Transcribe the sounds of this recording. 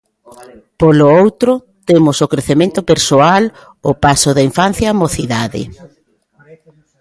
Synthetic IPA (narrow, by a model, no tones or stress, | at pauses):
polʊowt̪ɾʊ | t̪emʊsokɾeθemẽnt̪opeɾsoal | ʊpasʊðaiɱfan̟θjamoθiðaðɪ̰